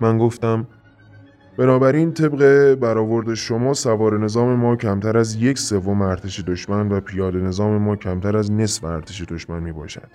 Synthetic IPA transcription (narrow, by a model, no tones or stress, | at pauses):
mænɡo̞ft̪æm | b̥e̞nɒːbæɾiːnt̪ʰe̞bɢe̞bæɾɒːvo̞ɾd̪e̞ʃo̞mɒːsævɒːɾe̞ne̞zɒːme̞mɒːcʰæmt̪ʰæɾæzje̞cse̞vːo̞meæɾt̪ʰeʃe̞d̪oʃmænvæpʰijɒːd̪e̞ne̞zɒːme̞mɒːcʰæmt̪ʰæɾæzne̞sveæɾt̪ʰeʃe̞d̪o̞ʃmænmiːbɒ̰ːʃæ̰d̪̥